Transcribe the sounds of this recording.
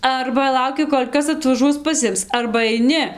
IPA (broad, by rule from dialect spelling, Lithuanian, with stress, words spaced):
ˈɐrbɐ ˈlˠɐʊkʲɪ ˈkoːlʲ ˈkɐs ɐtʋɐˈʒuɔs pɐˈsʲɪms ɐrbɐ ɐɪˈnʲɪ